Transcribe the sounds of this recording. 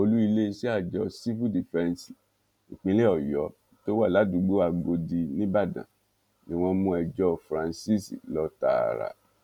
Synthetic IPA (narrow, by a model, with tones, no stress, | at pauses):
o˧lu˦i˧le˦˧si˦a˦˨d͡ʒɔ˧˦si˦vu˦di˨fɛ̃˦nsi̥˨ | ĩ˨k͡pĩ˦le˦ɔ˨jɔ˨˦ | to˦wa˦˨la˨˦du˨˦ɡ͡bu˦wa˧ɡ͡bo˧di˧nĩ˦ba˦˨dã̰˨ | nĩ˦w̃ɔ̃˧mũ˦ɛ˧d͡ʒɔ˦fɾã˧nsi˦sḭ˨lɔ˦ta̰˦˨ɾa̰˧˨